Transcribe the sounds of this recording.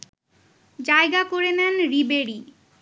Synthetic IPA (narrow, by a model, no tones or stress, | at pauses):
d͡ʑaeɡakoɾenɛnɾibeɽi